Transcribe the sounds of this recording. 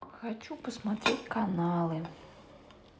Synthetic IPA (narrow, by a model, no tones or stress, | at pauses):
xɐt͡ʃupɔsmat̪ɾɪtʲkanɑlˠɪ